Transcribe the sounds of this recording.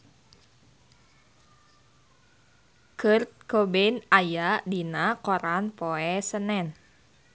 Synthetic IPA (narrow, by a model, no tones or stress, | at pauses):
kɨrt̪̚kobɛnajadinakɔɾanpoɛsənɛn